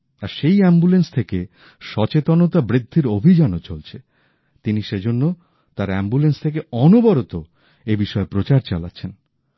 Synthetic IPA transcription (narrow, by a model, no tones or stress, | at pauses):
aɾʃejɛmbulenst̪ʰeke | ʃɔt͡ɕet̪onot̪abɾid̪ʱːiɾobʱid͡ʑanot͡ɕolt͡ɕʰe | t̪iniʃed͡ʑonːo | t̪aɾɛmbulenst̪ʰek̬eɔnobɔɾot̪o | ebiʃɔepɾot͡ɕaɾt͡ɕa̰la̰tːɕʰen